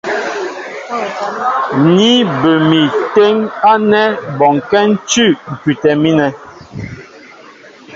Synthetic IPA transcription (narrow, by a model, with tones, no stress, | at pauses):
ni˦bə˨mi˨te˦ŋa˦nɛ˦bɔ˨ŋkɛ˦n̩˦t͡ʃʉ˦˨ŋ̩˨ki˨tɛ˨mi˦nɛ˨